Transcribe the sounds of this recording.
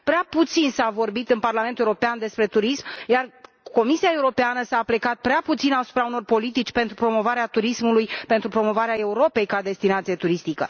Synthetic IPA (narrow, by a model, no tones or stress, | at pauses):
pɾeaput̪sinsavo̞rbit̪ɨnparlament̪euɾo̞peand̪e̞spɾe̞t̪uɾismjar | ko̞misiaeuɾo̞peanəsaːplekat̪̚pɾeaput̪sinasu̥pɾauno̞rpo̞lit̪it͡ʃʲpe̞nt̪ɾupɾo̞mo̞vaɾeat̪uɾismulujpe̞nt̪ɾupɾo̞mo̞vaɾeae̞uɾo̞pe̞jkad̪e̞st̪inat̪sijet̪uɾist̪ikə̰